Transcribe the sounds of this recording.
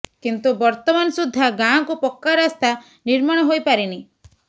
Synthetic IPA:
kint̪ubɔɾt̪ɔmanɔsud̪ʱːaɡãɔ̃kupɔkːaɾast̪a | niɾmaɽ̃ɔɦojpaɾini

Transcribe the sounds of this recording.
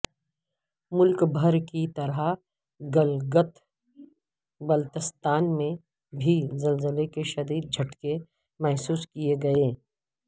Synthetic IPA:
mʊlkbʱəɾkit̪ɐɾa | ɡəlɡət̪ | bɐlt̪ɪst̪aːnmẽ | bʱizɐlzəlekeʃɐd̪iːd̪̚d͡ʒʱɐʈke | mɛɦsuːskieɡɐeː

